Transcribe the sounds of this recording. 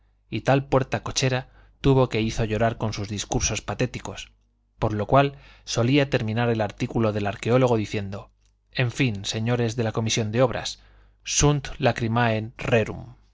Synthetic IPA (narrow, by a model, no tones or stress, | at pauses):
it̪alpwe̞ɾt̪ako̞t͡ʃe̞ɾa | t̪uβ̞o̞ke̞iθo̞ʝo̞ɾaɾko̞nsuzðiskuɾso̞spat̪e̞t̪iko̞s | po̞ɾlo̞kwalso̞liat̪e̞ɾmĩnaɾe̞laɾt̪ikulo̞ðe̞laɾke̞o̞lo̞ɣ̞o̞ðiθje̞nd̪o̞ | e̞ɱfinse̞ɲo̞ɾe̞zðe̞lako̞misjo̞nd̪eo̞β̞ɾa̰sː | unt̪lakɾimaenreɾṵm